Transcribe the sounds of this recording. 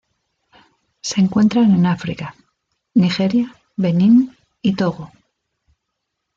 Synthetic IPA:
se̞ːŋkwe̞nt̪ɾane̞nafɾika | nixe̞ɾja | βe̞nĩn | it̪o̞ɣo

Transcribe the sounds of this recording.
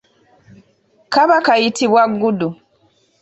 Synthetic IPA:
kaβakajitiβwaɡːudu

